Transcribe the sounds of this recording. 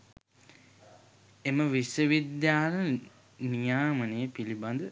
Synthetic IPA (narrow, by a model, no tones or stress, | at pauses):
eməʋisəʋid̪jaːlə | nijaːmənejəpiliband̪ə